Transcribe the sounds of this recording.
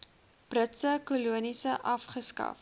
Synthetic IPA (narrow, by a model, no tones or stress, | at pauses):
b̥rətsəkuluənisəʔɐfχəskɐ̰f